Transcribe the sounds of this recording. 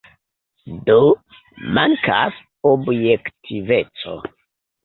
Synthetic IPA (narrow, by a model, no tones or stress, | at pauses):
do | maŋka̰s | objektʰive̞t͡so̰